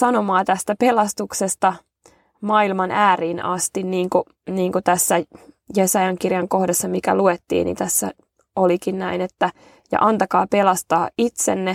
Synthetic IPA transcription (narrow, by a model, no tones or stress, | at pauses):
sɑnomɑːt̪æst̪æpelɑst̪uksest̪ɑ | mɑilmɑnæːriːnɑst̪inniːŋku | niːŋkut̪æsːæjesɑjɑŋkirjɑŋkohdɑsːɑmikæ̰luet̪ːḭːnḭt̪æsːæ̰ | olikinnæinet̪ːæ | jɑ̰ʔɑnt̪ɑkɑːpe̞lɑst̪ɑːit̪senːe